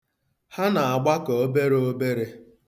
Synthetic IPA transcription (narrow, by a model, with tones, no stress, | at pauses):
ha˦na˨a˨ɡ͡ba˦kɔ˨o˦be˦ɾe˦o˦be˦ɾe˦